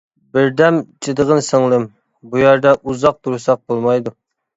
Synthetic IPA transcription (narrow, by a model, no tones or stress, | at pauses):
bɪɾd̪ɛmt͡ʃʰɨd̪əʁənsəŋlˠɨm | bujæɾd̪ɛʔuzɑq̚t̪ʰuɾsɑq̚bolˠmɑjd̪u